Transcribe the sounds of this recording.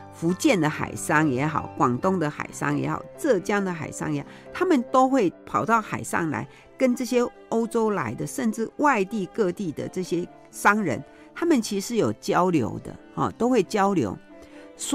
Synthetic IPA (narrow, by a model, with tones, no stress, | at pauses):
fu˧˥t͡ɕjɛ˥˩nd̪ə˩xa̰˨˩ɪʂɑ˥ŋjɛ˧˥xɑ̰˨˩ʊkwɑ˨˩ŋt̪ʊ˥ŋd̪ə˨xa̰˨˩ɪʂɑ̰˥ŋjɛ̰˧˥xɑ̰˨˩ʊʈ͡ʂɤ˥˧t͡ɕjɑ˥˩ŋd̪ə˨xa̰˨˩ɪʂɑ̰˥ŋjɛ˧˦˥xɑ˨˩t̪ʰa˥mə˨nt̪o˥ʊxwe˥˩ɪpʰɑ˨˩ʊt̪ɑ˥˩ʊxa˨˩ɪʂɑ̰˥˩ŋla̰˧˥ɪ | kə˦˥nʈ͡ʂɤ˥˩ɕjɛ˥ | o˥ʊʈ͡ʂo˥ʊla̰˧˥ɪd̪ə˧ʂə˥˧nʈ͡ʂɻ̩˥˧˨wa˥˧ɪt̪i˥˧kɤ˥˧t̪i˥˩d̪ə̰˨ʈ͡ʂɤ˥˩ɕjɛ˥ | ʂɑ˥ŋɻə̰˧˦n | t̪ʰa˥mə˨nt͡ɕʰi˧˥ʂɻ̩˥˩jo˨˩ʊt͡ɕjɑ˥ʊljo̰˧˥ʊd̪ə̰˧˨hɔ̰˨t̪o˥ʊxwe˥˩ɪt͡ɕjɑ˥ʊljo̰˧˥ʊ | s